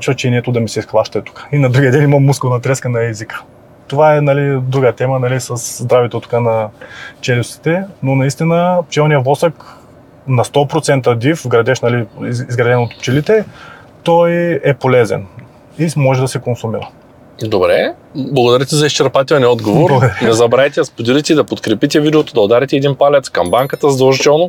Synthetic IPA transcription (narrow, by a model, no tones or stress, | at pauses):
at͡ʃvət͡ʃɛinɛt̪ʊd̪ɐmisɛisxlˠaʃt̪ɛt̪u̥kḁinɐd̪ɾuɡʲiəd̪ɛnimɐmːuskonɐt̪ɾɛskənɐɛzikə̥ | t̪ovaɛnɐlid̪ɾuɡət̪ɛmənɐlisɐszd̪ɾavit̪ot̪u̥kanɐt͡ʃɛlʲusi̥t̪ɛnonɐist̪inəpt͡ʃɛlˠnijəvlˠɔsək | nɐst̪ɔpɾot̪sɛnt̪əd̪ifvɡɾɐd̪ɛʃnɐliizɡɾɐd̪ɛnot̪pt͡ʃɛlit̪ɛ | t̪ɔjɛpolɛzɛ̰n | imɔʒɛd̪ɐsɛkonsumiɾə̰ | d̪obɾɛ | blˠɐɡod̪ɐɾit̪ɛzɐist͡ʃɛɾpat̪ɛlˠnʲiɔd̪ɡovboɾblˠɐɡod̪ɐɾɛnɛzɐbɾajt̪ɛɐspod̪ilit̪ɛid̪ɐpot̪kɾɛpit̪ɛvid̪ɛot̪od̪ɐod̪aɾit̪ɛɛd̪inpalʲɛt̪skɐmbaŋkət̪əzd̪oʒt͡ʃɔno